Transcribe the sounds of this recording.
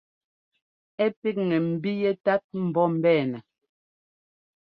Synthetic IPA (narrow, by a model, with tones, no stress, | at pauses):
ɛ˦pi˦k̚ŋɛ˨m̩˨bi˦jɛ˦ta˦t̚m̩˨bɔ˦m̩˨bɛː˦˨nɛ˨